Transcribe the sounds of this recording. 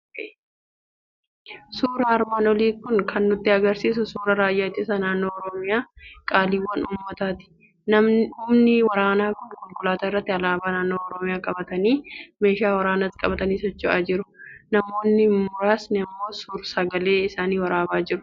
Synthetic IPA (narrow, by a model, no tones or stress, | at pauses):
suːɾɐːɾmaːnɔliːkʊnkʰɐnːʊt̪ːɪɐɡɐɾsiːs̬ʊsuːɾɐɾaːjːat͡ʃːɪsɐnaːnːo̞ːɔɾɔmɪjaːkʼaːliːwːɐnʔuːmːɐt̪aːt̪ɪ̥ | nɐʊmnɪwɐɾaːnaːkʊnkʼʊlkʼʊlaːt̪ɐɪrːɐt̪ːɪɐlaːbaːnaːnːoːɔɾɔmɪjaːkʼɐbɐt̪ɐniːme̞ːʃaːwɐɾaːnɐt̪ːkʼɐbɐt̪ɐniːsɔt͡ʃːʊa̰ːd͡ʒɪɾʊnɐmo̞ːnːɪmʊɾaːsnɪɐmːo̞ːsuːɾsɐɡɐle̞ːɪsaːniːwɐɾaːbaːd͡ʒɪɾʊ̥